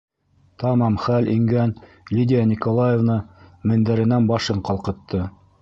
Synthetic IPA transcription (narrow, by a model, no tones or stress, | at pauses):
t̪ɑmɑmχælɵŋɡæn | lʲidʲɪjanʲikolˠajevnɤmɘ̆nd̪æɾɘ̆nænbɑʃɤɴqɑlˠqɤ̆t̪ːɤ